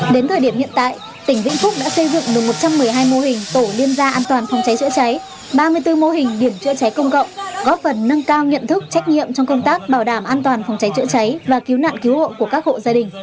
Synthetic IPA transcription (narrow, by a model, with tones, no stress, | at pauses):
ɗe˨˦nt̪ʰəː˨˩ɗi˧˩əmhḭ˧˨nt̪a̰ː˧˨j | t̪ï˧˩ŋ̟vḭ˧˥ənfʊ˦˥k͡p̚ɗa̰ː˧˥sə˧jzɨ̰˧˨ŋɗɨ˨˩k̚mo˨˩t̚t͡ɕa˧mːɨ˨˩əjɦaː˧jmo˧ɦï˨˩ŋ̟t̪o˧˩ɗi˧ənzaː˧ʔaː˧nt̪waː˨˩nfɔ˧˩wŋ͡mt͡ɕa˨˦jt͡ɕɨ̰˧˥t͡ɕa˨˦j | ɓaː˧mɨ˧əjt̪ɨ˧mo˧ɦï˨˩ŋ̟ɗi˧˩əmt͡ɕɨ̰˧˥ət͡ɕa˨˦jkə˧wŋ͡mkə̰˧˨wŋ͡mɣɔ˨˦˥p̚fə˨˩nːə˧ŋkaː˧wɲə̰˧˨nt̪ʰɨ˦˥k̚t͡ɕa˦˥jk̟̚ɲḭ˧˨əmt͡ɕɔ˧wŋ͡mkə˧wŋ͡mt̪aː˦˥k̚ɓaː˧˩wɗaː˧˩mʔaː˧nt̪waː˨˩nfa˧˩wŋ͡mt͡ɕa˨˦jt͡ɕɨ̰˧˥ət͡ɕa˨˦jvaː˨˩ki˨˦wna̰ː˧˨nki˨˦who̰˧˨ku˧˩əkaː˦˥k̚ho̰˧˨zaː˧ɗï˨˩ŋ̟